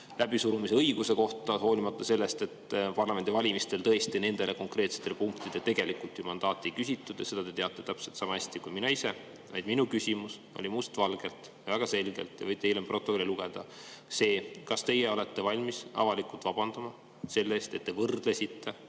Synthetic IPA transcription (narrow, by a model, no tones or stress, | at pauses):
lʔæb̥isuɾumiseɤjɡ̥use̞ko̞ht̪ˑɑɦo̞ːlʲimɑt̪ːˑɑse̞lːest̪e̞t̪ːpɑrlɑmend̪ivɑlʲimist̪elt̪ɤ̞est̪ine̞nd̪̥e̞lʔe̞ko̞ŋkre̞ːt̪se̥t̪ːelpuŋkt̪id̪̥et̪e̞ɡ̥e̞likult̪ːˑjumɑnd̪ɑːt̪ːˑikysʲit̪ːˑud̪jɑ̰se̞d̪̥ɑt̪e̞t̪e̞ɑt̪ːˑe̞t̪æpse̞lt̪sɑmɑæsʲt̪ikujminɑise̞ | vɑ̰jd̪minukysʲimus | o̞̰lʲimust̪vɑlɡ̥e̞lt̪ | jɑvæɡ̥ɑse̞lɡ̥e̞̰lt̪ˑːjɑ̰vɤjt̪ːˑeilempro̞t̪ːˑokolʲiluɡ̥e̞d̪̥ɑse̞ːkɑst̪e̞jeo̞le̞t̪ːe̞vɑlʲmisɑ̰vɑlikult̪vɑb̥ɑnd̪̥ɑmɑ | se̞lːeːst̪e̞t̪ːe̞vɤrd̪̥lesit̪ːe̞